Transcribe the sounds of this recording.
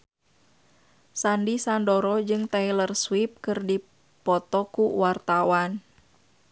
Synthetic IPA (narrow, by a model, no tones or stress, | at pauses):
sandisandɔɾɔd͡ʒɨŋt̪ailərswip̚kɨrdi | pɔt̪ɔkuwart̪awan